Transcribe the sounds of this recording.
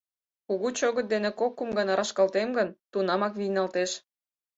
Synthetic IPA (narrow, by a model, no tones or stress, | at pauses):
kuɣut͡ɕoɣə̆t̪̚d̪enekokːumɡɑnɑɾɑʃkɑlt̪emɡənt̪unɑmɑkβijnɑlt̪eʃ